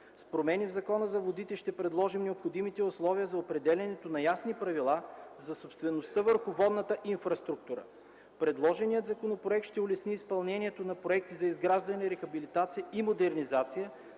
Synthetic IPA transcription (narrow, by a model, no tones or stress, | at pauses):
spɾomɛnivzɐkɔnəzɐvod̪it̪ɛʃt̪ɛpɾɛd̪lˠɔʒimnɛopxod̪imit̪ɛʊslˠɔvijəzɐopɾɛd̪ɛlʲɐnɛt̪onɐjasnipɾɐvilˠazɐsopst̪vɛnost̪əvəɾxʊvɔd̪nət̪əʔinfɾɐst̪ɾuk̚t̪uɾə̰ | pɾɛd̪lˠɔʒɛnijət̪zɐkonopɾoɛk̚t̪ʃt̪ɛʊlɛsniːspɐlˠnɛniɛt̪onɐpɾoɛk̚t̪izɐizɡɾaʒd̪ɐnʲɛɾɛxɐbilit̪at̪sijəimod̪ɛɾnizat̪sijə